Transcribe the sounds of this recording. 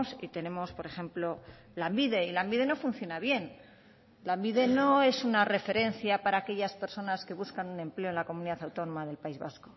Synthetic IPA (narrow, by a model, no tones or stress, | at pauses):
sḭt̪e̞ne̞mo̞spo̞ɾe̞xe̞mplo̞ | lambiðe̞ilambiðe̞no̞fun̟θjo̞naβje̞n | lambiðe̞no̞e̞sunare̞fe̞ɾe̞nθjapaɾaːke̞ʎaspe̞ɾso̞naske̞βuskanune̞mple̞oe̞nlako̞muniðaθawt̪o̞no̞maðe̞lpaizβa̰sko